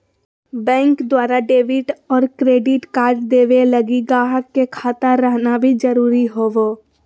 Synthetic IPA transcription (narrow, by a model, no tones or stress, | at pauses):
bɛ̃ːŋkd̪waːɾaɖeːʋɪʈɔːɾkɾeːɖɪʈkaːɾʈ̚d̪eːʋeləɡiɡaːɦəkːekʰaːt̪aɾəɦnabʱid͡ʒəɾuːɾiɦoːʋoː